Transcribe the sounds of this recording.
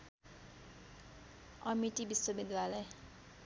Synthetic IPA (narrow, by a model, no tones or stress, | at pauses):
ʌmiʈibiswʌbid̪alʌj